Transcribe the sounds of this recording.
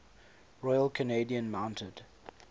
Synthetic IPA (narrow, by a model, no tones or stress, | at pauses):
ɹɔɪəlˠkʰəneɪdiə̃nmãʊ̃ntʰəd̥